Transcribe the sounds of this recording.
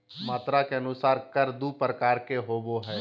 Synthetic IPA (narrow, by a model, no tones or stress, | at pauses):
maːt̪ɾakeɐnʊsaːɾkəɾd̪uːpɾəkaːɾkeɦoːboɦɛː